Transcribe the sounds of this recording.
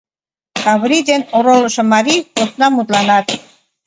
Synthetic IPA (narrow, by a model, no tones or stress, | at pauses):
kɑβɾid̪enoɾolə̆ʃĕmɑɾiposnɑmut̪lɑnɑt̪